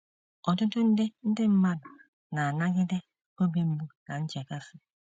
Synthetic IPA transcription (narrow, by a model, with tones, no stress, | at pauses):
ɔ˨tʊ˦tʊ˦n̩˦dɪ˦n̩˦dɪ˦m̩˦ma˦dʊ˨ | na˨a˨na˦ɡɪ˦de˦ | o˦be˦m̩˦mu˦na˨n̩˦t͡ʃe˨ka˦fɪ˦